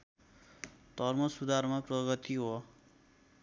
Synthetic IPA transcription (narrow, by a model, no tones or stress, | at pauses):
d̪ʌrmʌsud̪ʱarmaprʌɡʌt̪iɦo